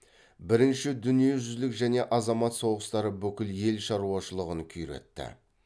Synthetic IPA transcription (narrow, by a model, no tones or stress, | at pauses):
bɪɾɪnʃɪd̪ʏnije̞ʒʏzlɪkʒæne̞ʔɑzɑmɑt̪so̞ʁəst̪ɑɾəbʏkʲɪlje̞lʃɑɾuɑʃəlˠəʁəŋkʲʰʏjɾe̞̰t̪ːɪ̰